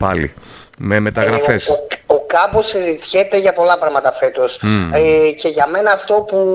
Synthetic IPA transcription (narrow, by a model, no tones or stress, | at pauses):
pɐ̰lḭ | meme̞t̪ɐɣɾɐfeso̞kɐpo̞siɾit̪çe̞t̪e̞ʝɐpo̞lɐpɾɐɣmɐt̪ɐfe̞t̪o̞s | ce̞ʝɐme̞nɐːft̪o̞pu